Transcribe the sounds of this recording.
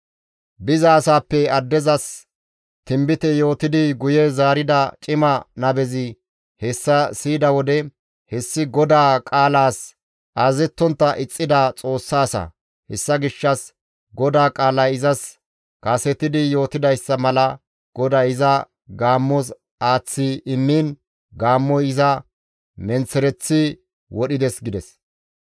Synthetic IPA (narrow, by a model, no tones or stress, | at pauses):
bɪzɐːsaːpːɛɐd̪ːɛzɐs | t̪ɪmbɪt̪ɛjo̞ːt̪ɪd̪ɪɡʊjɛzaːɾɪd̪ɐt͡ʃʼɪmɐnɐbɛzɪ | hɛsːɐsiːd̪ɐwɔd̪ɛ | hɛsːɪɡɔd̪aːkʼaːlaːs | ʔaːzɛt̪ːɔnt̪ːɐʔɪt͡sʼːɪd̪at͡sʼo̞ːsːaːsɐ̰ | hɛsːɐɡɪʃːɐs | ɡɔd̪aːkʼaːlaɪzɐs | kɐsɛt̪ːɪd̪ɪjo̞ːt̪ɪd̪ɐjsːɐmɐlɐ | ɡ̥ɔd̪aɪzɐ | ɡaːmːɔs | aːt͡sːɪɪmːin | ɡaːmːɔjɪzɐ | mɛnt͡sːɛɾɛt͡sːɪ | wɔɗɪd̪ɛsɡɪd̪ɛs